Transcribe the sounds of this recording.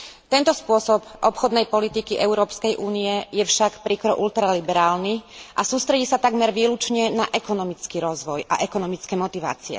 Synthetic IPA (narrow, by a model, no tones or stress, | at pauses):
t̪ɛnt̪ɔspʊɔsɔpʔɔpxɔd̪nɛjpɔlit̪ikiʔɛʊɾɔːpskɛjʔuːniɛjɛfʃakpɾikɾɔʔult̪ɾalibɛɾaːlniʔasuːst̪ɾɛɟiːsat̪aɡmɛɾʋiːlut͡ʃɲɛnaʔɛkɔnɔmit͡skiɾɔzʋɔjʔa̰ʔɛkɔnɔmit͡skɛmɔt̪iʋa̰ːt͡siɛ̰